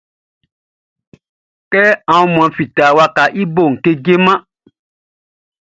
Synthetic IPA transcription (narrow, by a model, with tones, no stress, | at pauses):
kɛ˦ã˨wũ˧mũ˨ã˧fi˨ta˨wa˧ka˨ʔi˦bo˦˨ŋ̩˨ke˧ɡe˦mã˦